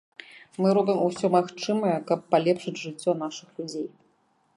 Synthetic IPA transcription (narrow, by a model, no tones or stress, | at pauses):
mɨɾɔbʲɨmusʲɔmaxt͡ʂɨmɐjɛkɐpːalʲɛpʂɨd͡zʲʐɨt͡sʲːɔn̪aʂɨxlʲud͡zʲej